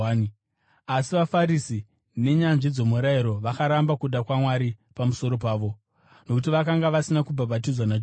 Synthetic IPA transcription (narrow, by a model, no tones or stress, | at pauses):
ni | asiʋafaɾisi | ne̞ɲanʐid͡zo̞muɾaiɾo̞ʋakaɾambakuɗakwamwaɾipamuso̞ɾo̞paːʋo̞ | no̞kut̬iʋakaŋɡaʋasinakubʱabatid͡zwanad͡ʒ